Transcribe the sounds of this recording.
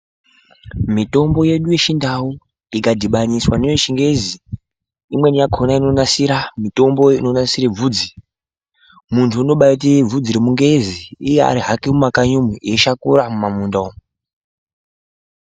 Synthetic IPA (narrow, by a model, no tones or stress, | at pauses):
mito̞mbo̞je̞ɗujeʃindawu | ikadʱiɓaɲiswaneoʃiŋɡe̞zi | imwe̞nijaɡʰʱonaino̞nasiɾamito̞mbo̞inonasiɾeb͡vuːd͡zi | muntʰuino̞ɓait̬ib͡vud͡ziɾemuŋɡeziːjea̰ɾiɦakimumakaɲumueʃakuɾamumamuːndo